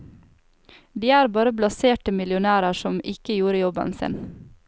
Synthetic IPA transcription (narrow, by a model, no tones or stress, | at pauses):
d̪iːæːɾbɑːɾəblɑseːʈəmɪlʊnæːɾəʃɔmɪkəjuːɾəjɔbə̰nsɪ̰n